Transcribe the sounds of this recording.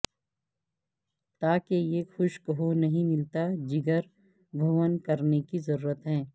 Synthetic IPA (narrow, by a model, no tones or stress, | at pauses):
t̪aːkejexʊʃkəɦonɐɦĩmɪlt̪ad͡ʒɪɡəɾ | bʱuːwənkɐɾnekizɐɾuːɾət̪ɦɛ̃ː